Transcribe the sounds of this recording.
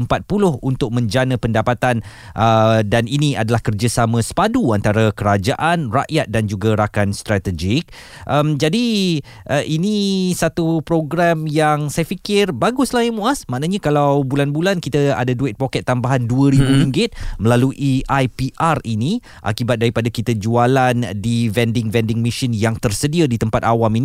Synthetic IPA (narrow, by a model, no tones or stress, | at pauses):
əmpat̪̚pulʊhunt̪ʊk̚mə̃ɲd͡ʒanə̃pəndapat̪an | ʔədaniniadalahkərd͡ʒəsamə̃sə̥paduant̪aɾakəɾad͡ʒaʔanra̰ʔjat̪̚dand͡ʒuɡaɾakanst̪ɾat̪əd͡ʒɪk̚ | ʔəmd͡ʒadi | əʔinĩsat̪upɾoɡɾamjaŋsajafikɪrbaɡʊslahjimuasmãʔnaɲãkalawbulanbulankit̪əa̰daduɪt̪̚pokɛt̪ːambaɦanduəɾibuɾiŋɡɪt̪̚məlaluʔiajpiʔarinĩ | ʔa̰kibat̪̚daɾipadakit̪əd͡ʒualandivɛndɪŋvɛndɪŋmiʃinjaŋt̪ərsədiadit̪əmpat̪̚awaminĩ